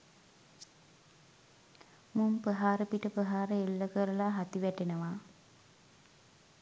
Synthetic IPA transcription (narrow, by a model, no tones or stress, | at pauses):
mumpəɦaːɾəpiʈəpəɦaːɾəelːəkəɾəlaɦat̪iʋæʈenəʋa